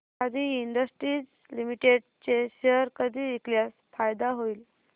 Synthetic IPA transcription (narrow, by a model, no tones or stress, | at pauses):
ad̪ʱiːiɳɖ̪əsʈɾiːd͡z | limiʈeɖt͡ɕeɕeəɾkəd̪ʱiːekljas | fajd̪aɦoiːl